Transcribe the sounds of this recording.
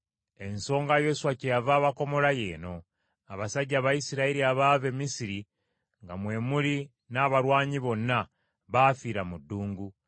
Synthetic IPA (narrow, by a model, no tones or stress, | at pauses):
e̞nso̞ːŋɡajo̞suwacejavaːβako̞mo̞laje̞̰ːno̞ | aβasaɟːaːβajisiɾaiɾiaβaːve̞misiɾi | ŋɡamwe̞ːmuli | naːβaɾwaːɲiβo̞nːa | βaːfiːɾamudːuːŋɡu